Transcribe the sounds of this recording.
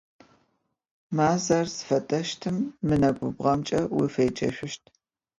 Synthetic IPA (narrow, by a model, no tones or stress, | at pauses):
maːzɐrsɨ̥fɐtʼɐʃtʰɨmːɨnɐɡʷʊbʁɐmt͡ʃʼɐwifeːt͡ʃʼɐ̰ɕʷʊʃtʰ